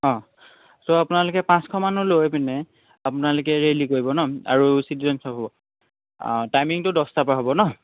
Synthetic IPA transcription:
ɔ̃ | soapʊnalʊkɛpãskʰɔmanulojpɛnɛ | apʊnalokɛɹelikoɹibɔnɔa̰ɹusitizɔnsʰɔpɦɔbɔ | tajmiŋtʊdɔstapaɦobɔnɔ

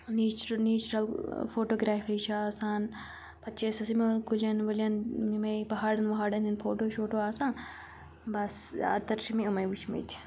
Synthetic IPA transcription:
niːt͡ʃɾniːt͡ʃɾɐlfoːʈoːɡɾaːfiʃʰaːsaːn | pɐt̪ːt͡ʃʰeːsɐsimekulʲɐnʋɐlʲjɐnmimɐjpɐɦaːɖɐnʋɐɦaːɖɐnʲinfʰoːʈoːʃoːʈoːaːsãː | bɐsa̰ːt̪ɐɾʃimiumɐjʋut͡ʃʰmḭt̪ʰi̥

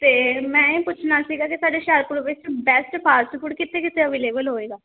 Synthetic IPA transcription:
t̪eːmɛ̃ːĩpʊt͡ʃʰnaːsiːɡaːkɪsaːɖeːʃɛɾpɾoʋeːst͡ʃbɛːsʈpʰaːɾsʈ̪kʊɽkɪt̪eːkɪt̪eəʋeːleːbəlɦoːeːɡaː

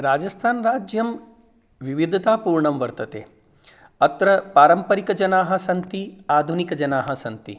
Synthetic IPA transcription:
ɾaːd͡ʒɐst̪ʰaːnɾaːd͡ʒjɐm | ʋiʋid̪ʱɐt̪aːpuːɾɳɐmʋɐɾt̪ɐt̪ḛː | ɐt̪ɾɐpaːɾɐmpɐɾikɐd͡ʒɐnaːɦɐ̆sɐnt̪iaːd̪ʱunikɐd͡ʒɐnaːɦɐsɐnt̪ḭ

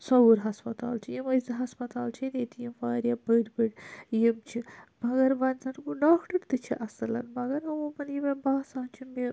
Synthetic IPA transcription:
sɐwuɾɦɐspɐt̪a̰ːlt͡ʃʰijimɐzɐɦɐspɐt̪aːlt͡ʃʰineːt̪ijimfaːɾʲjɐbəːɖbɨɖjimt͡ʃʰimɐɡɐɾʋɐnzɐnɡuɖaːkʈɐɾt̪ɨt͡ʃʰiʔɐslɐ̰nmɐɡɐɾɐwumɐnjimɐbaːsaːnt͡ʃʰimi

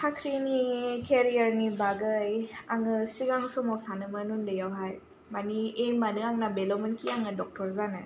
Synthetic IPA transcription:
tʰakʰɾinikʰeɾijaɾnibaɡəjaŋɯsiɡaŋsumawsanɯmənundɯjawɦaj | manienmanɯaŋnabelɔmenkʰiaŋɯdɔk̚tɔɾzanɯ

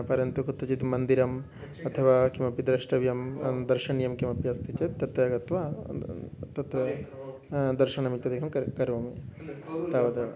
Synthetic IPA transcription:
pɐɾjɐnt̪ukut̪ːɐt͡ʃit̪mɐnd̪iɾɐm | ɐt̪ʰɐʋaːkimɐpid̪ɾɐʂʈɐʋjɐmd̪ɐɾʃɐɳjɐmkimɐpjɐst̪ʰit͡ʃet̪ːɐt̪ːɐɐɡɐt̪ʋa | t̪ɐt̪ɾɐ | d̪ɐɾʃɐɳɐmit̪ɐd̪ʱikʰɐmkɐɾkɐɾʋɐmi | t̪aʋɐd̪ɐʋɐ̰

